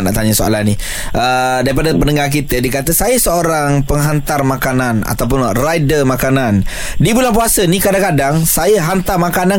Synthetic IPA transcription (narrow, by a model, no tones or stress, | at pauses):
ʔna̰ʔt̪aɲasoa̰lani | ʔədaɾipadapənəŋak̬it̪ədikat̪əsajəsəoɾaŋpəŋɦant̪armãkanana̰t̪awpʊnrajdəmakanan | dibulaŋp̬uasənikadaŋkadaŋsajəɦant̪armakana